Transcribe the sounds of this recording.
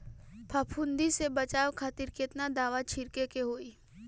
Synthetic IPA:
pʰaːpʰʊ̃nd̪isebət͡ʃaːʋkʰaːt̪ɪɾkeɪt̪nad̪aːʋat͡ʃʰɪɾkekeɦoːiː

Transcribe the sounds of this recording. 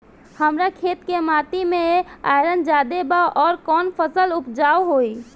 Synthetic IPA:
həmɾakʰet̪kemat̪imea̰jɾənd͡ʒad̪ebaʔɔɾkɔːnpʰəsəlupd͡ʒawɦoj

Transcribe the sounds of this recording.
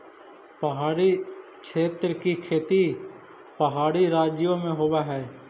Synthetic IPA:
pəɦaːɾikʃeːt̪ɾəkikʰeːt̪i | pəɦaːɾiɾaːd͡ʒjõmẽɦoːwaɦɛː

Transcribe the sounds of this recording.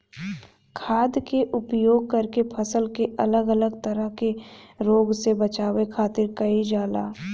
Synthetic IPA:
kʰaːd̪keʔʊpjoːɡ̚kɐɾkepʰɐsəlkeʔɐləɡələɡt̪ɐɾəɦkeɾoːɡsebɐt͡ʃaːwekʰaːt̪ɪɾkɐid͡ʒaːla̰ː

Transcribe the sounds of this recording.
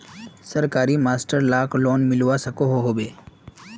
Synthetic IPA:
sɐɾkaːɾimaːsʈəɾlaːkʰloːnmɪlʋasɐkoɦoɦoːbeː

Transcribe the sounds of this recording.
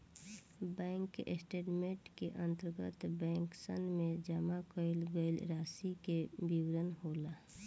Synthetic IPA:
bɛ̃ːŋkḛsʈeːʈmẽʈkeʔə̃nt̪əɾɡə̰t̪bɛ̃ːŋksənmẽd͡ʒəmakəɪlɡəilɾaːsikebiwɾənɦoːla

